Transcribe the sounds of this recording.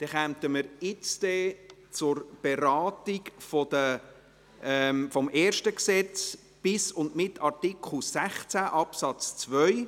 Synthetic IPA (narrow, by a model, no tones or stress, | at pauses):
d̥ɛχæmtəməɾɪt͡stɛt͡sʊrb̥eɾɑːtikfɔd̥̪ə | ɛmfɔmʔɛːrʃtəksɛt͡s | b̥ɪsʊndmɪtʰɑrtɪkʰl̩sæχt͡sæʔɑpsɑt͡st͡svœʏ